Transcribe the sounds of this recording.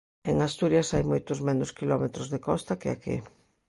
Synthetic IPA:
eŋast̪uɾjasajmojt̪ʊzmẽnʊskilɔmet̪ɾʊzðekɔst̪akea̰kḭ

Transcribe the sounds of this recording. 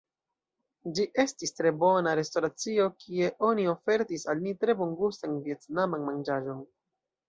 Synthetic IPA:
d͡ʒiʔe̞stistɾe̞bo̞naɾe̞sto̞ɾat͡sio̞kʰie̞ʔo̞nio̞fe̞ɾtisalmitɾe̞boŋɡustanvie̞tnamanmand͡ʒaʒo̞n

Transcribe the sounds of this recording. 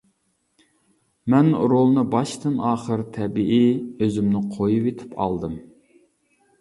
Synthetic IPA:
mɛnɾolˠnɨbɑʃt̪ʰɨnɑːχəɾt̪ʰɛbiʔiøzymnɪqʰojuvet̪ʰɪ̥pʰɑ̰lˠd̪ɨm

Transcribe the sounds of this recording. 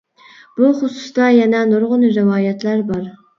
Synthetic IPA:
b̥uχʊsu̥sd̪ɑjɛnɛnoɾʁʊnɨɾɪwɑːjɛt̪læɾbɑɾ

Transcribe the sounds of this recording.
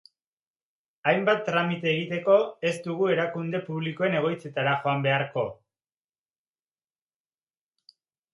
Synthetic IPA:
ajmbat̪ːɾamit̪e̞ːɣ̞it̪e̞ko̞e̞st̪uɣue̞ɾakund̪e̞puβ̞liko̞e̞ne̞ɣ̞o̞jt͡se̞t̪aɾaxo̞ambe̞aɾko̞

